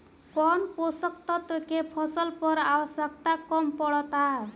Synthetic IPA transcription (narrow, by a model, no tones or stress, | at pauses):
kɔnposʌkt̪ɔt̪okepʰʌsʌlpɔɾawʌsjʌkt̪akɔmpɔɽʌt̪a